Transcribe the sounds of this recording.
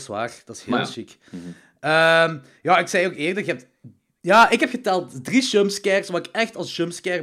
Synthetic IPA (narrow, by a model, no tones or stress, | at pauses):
sʋa̰ːrd̥ɑtɪsheːlˠʃik | əm | jaːɪksɛjoːkɪːrdɑxəɛp̚t | jaːʔɪkɦɛpxətɛlˠtdriʃømskɛrsʋaːrɪkɛxtɑlˠsʃømskɛr